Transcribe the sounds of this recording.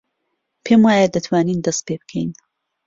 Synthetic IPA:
pʰeːmwaːjɐd̪ɐt̪ʰwaːniːnd̪ɐst̪̚pebɨ̥kʰɛjn

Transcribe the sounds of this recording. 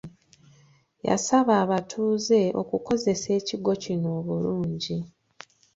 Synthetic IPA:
ja̰saβaːβatʰuːze̞o̞̰kuko̞ze̞se̞ːciɡo̞cino̞ːβuluːɲɟi

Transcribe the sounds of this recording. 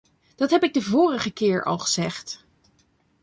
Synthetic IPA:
d̥ɑtɦɛpɪɡ̚dəvʊːrəχəkɪːɹɑ̰lˠχəz̥ɛχt

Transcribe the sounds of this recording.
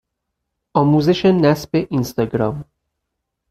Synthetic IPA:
ɒːmuːzeʃenæsbeʔinst̪ɒɡɾɒm

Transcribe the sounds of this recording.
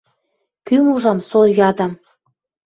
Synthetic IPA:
kymuʒɑmsojɑd̪ɑm

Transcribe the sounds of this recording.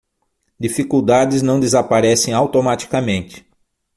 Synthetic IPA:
d͡ʒifikuwd̪ad͡ʒɪznɐ̃w̃d̪ezapaɾɛsẽj̃awt̪omat͡ʃi̥kɐmẽnt͡ʃ̪ɪ̥

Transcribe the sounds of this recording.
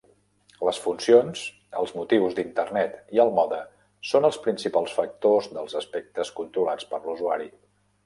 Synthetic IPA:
ləsfunsions | ə̰lˠzmut̪iwzd̪int̪ərnɛt̪iəlˠmɔðə | sonəlˠspɾinsipalˠsfək̚t̪ozðəlˠzəspɛk̚t̪əskunt̪ɾulat͡spəɾluzuaɾi

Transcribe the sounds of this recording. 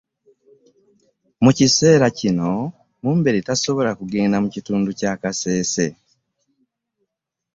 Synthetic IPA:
muciseːɾacino̞ | muːmbe̞ɾitaso̞βo̞lakuɡe̞ːndamucituːnducaːkase̞ːse̞

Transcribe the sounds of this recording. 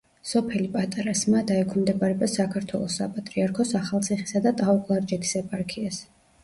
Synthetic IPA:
sɔpʰɛlipʼat̪ʼaɾasmad̪aɛkʰmd̪ɛbʼaɾɛbasakʰaɾt̪ʰwɛ̰lˠɔsːapʼat̪ʼɾiaɾkʰɔsaχalˠt̪sʰiχisad̪at̪ʼaɔkʼlˠaɾd͡ʒɛt̪ʰi̥sɛpʼaɾkʰias

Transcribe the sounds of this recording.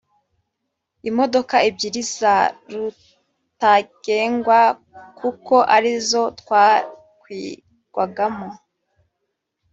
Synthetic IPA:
imo̞do̞kaibɟiɾizaɾu | taɡ̥eːŋɡwa | kukoʔaɾizo̞tkwa | kwi | ɡ̥waɡamo

